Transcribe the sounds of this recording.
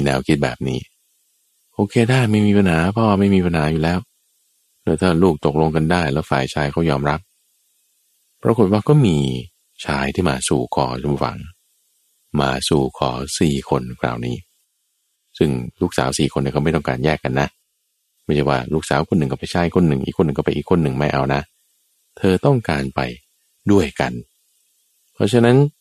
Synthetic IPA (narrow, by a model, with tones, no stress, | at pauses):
nɛː˧wkʰi˦˥t̪̚bɛ̰ː˨˩p̚niː˦˥ | ʔoː˧kʰeː˧daː˥˩jma˥˩jmiː˧pa˧nɦaː˨˩˦pʰɔ˦˥waː˥˩ma˥˩jmiː˧pʰa˧nɦaː˩˦juː˨˩lɛː˦˥w | doː˧˩jt̪ʰaː˥˩luː˥˩k̚t̪o˨˩k̚lo˧ŋka˧ndaː˥˩jlɛː˦˥wfaː˨˩jt͡ɕʰaː˧jkʰa˦˥˩wjɔː˧mɾa˦˥p̚ | pʰːɾa˧ko˨˩t̪̚waː˥˩kɔː˥˩miː˧ | t͡ɕʰaː˧jt̪ʰiː˥˩maː˧suː˨˩kʰɔː˨˦t͡ɕʰo˧m˧fa̰˨˦ŋ | maː˧suː˨˩kʰɔː˩˦siː˨˩kʰo˧nkʰɾa̰ː˨˩wniː˦˥ | sɯ˥˩ŋluː˥˩ksa̰ː˩˦wsiː˨˩kʰo˧ni˧˥˩kɔ˥˩ma˥˩jt̪ɔ˥˩ŋkaː˧njɛː˥˩kːa˧nːa˦˥ʔ | baː˧˦˥t͡ɕʰaː˧˥˩waː˥˩luː˥˩k̚saː˩˦wkʰo˧nːɯ˨˩kɔ˥˩pa˧jt͡ɕʰaː˦˥jkʰo˧nːɯ˨˩ŋʔḭ˨˩kʰːo˧nːɯ˨˩ŋkɔ˥˩pa˧jʔiː˨˩kʰːo˧nːɯ˨˩ŋma˥˩jʔa˧wna˦˥ | t̪ʰɤː˧t̪ɔ˥˩ŋkaː˧npa˧j | du˥˩əjka˧n | pʰɔ˦˥t͡ɕʰa˧na˦˥n